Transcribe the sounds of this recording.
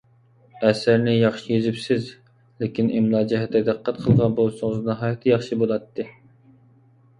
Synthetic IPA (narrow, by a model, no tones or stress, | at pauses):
ɛsɪɾnɪjɑχʃijøzɪpsɪz | lekʲinʔimlˠɑːd͡ʒɛɦɛt̪ːɛd̪æqːæt̪̚qʰəlˠʁɑnbolˠʃʊŋəznɑɦɑːjɛt̪ʰːɨjɑχʃibolˠɑt̪ʰːɨ